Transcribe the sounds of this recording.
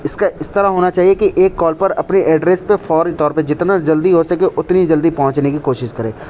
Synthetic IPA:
ɪskaʔɪst̪ɐɾaɦoːnat͡ʃaːɦiekiʔeːkːɔːlpɐɾɐ̰pneʔɛːɖɾeːspefʰɔːɾit̪ɔːɾped͡ʒɪt̪nad͡ʒɐld̪iɦosɐkeʔʊt̪nid͡ʒɐld̪ipɐɦʊ̃t͡ʃnekikoːʃɪʃkɐɾẽː

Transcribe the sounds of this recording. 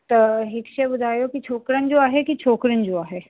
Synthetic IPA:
t̪əɦikʃebʊd̪ʱaːjokit͡ʃʰoːkɾənd͡ʒoːaːɦekit͡ʃʰoːkɾənd͡ʒoːaːɦe

